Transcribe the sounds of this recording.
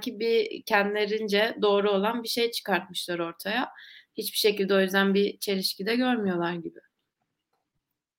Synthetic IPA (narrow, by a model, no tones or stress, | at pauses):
æcʰibicʰænd̪ilʲe̞ɾind͡ʒɛd̪o̞ːɾuo̞lˠanbiʃe̞jt͡ʃʰɯ̥kaɾt̪̚mɯʃlˠaɾo̞ɾt̪ʰajahit͡ʃbiʃe̞cilʲd̪ɛo̞jyzd̪ænbit͡ʃʰe̞ɾiʃcid̪ɛɟø̞ɾmyjo̞lˠaɾɟibɪ